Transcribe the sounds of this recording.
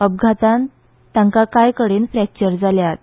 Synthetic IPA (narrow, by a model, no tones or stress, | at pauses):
əb̚ɡʱat̪ãn | t̪jãŋkakajkəɽenfɾɛk̚t͡ɕəɾd͡zaljat̪̚